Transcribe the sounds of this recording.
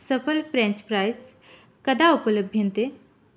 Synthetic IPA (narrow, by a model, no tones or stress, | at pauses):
səpəlfɾɛ̃ɲt͡ʃpɾajs | kɐd̪aupələbʱjə̃nt̪e